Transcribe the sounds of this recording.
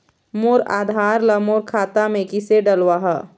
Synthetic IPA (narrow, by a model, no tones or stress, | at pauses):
moːɾa̰ːd̪ʱaːɾlɐmoːɾkʰaːt̪amẽkɪseɖɐlwaːɦɐ